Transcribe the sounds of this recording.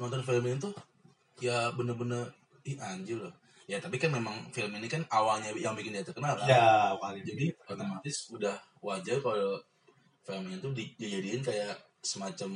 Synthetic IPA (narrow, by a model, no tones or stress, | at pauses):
ŋɔnt̪ɔnfiləmɪɲt̪ʊh | jabənərbənər | ihaɲd͡ʒʊlʊh | jat̪apikanmemaŋfiləminikanawalɲajaŋbikɪndiat̪əkənalajamalid͡ʒadiot̪emat̪ɪsudah | wad͡ʒarkalo | filəmiɲat̪udid͡ʒid͡ʒadiɪnkajaʔ | səmat͡ʃam